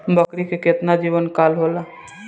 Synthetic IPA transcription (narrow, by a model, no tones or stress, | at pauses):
bəkɾikekɪt̪nad͡ʒiːʋənkaːlɦoːlaː